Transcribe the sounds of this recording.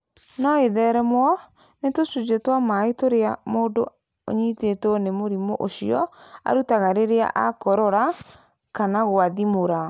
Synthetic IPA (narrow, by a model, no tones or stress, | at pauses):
nɔeðɛɾɛmwɔ | netosud͡ʒetwamaetoɾeamoːdo̰ | o̰ɲitetonemoɾimoʔoɕiɔa̰ɾutaɣaɾeɾea̰ʔakɔɾɔɾa | kanaɣoaðimoɾa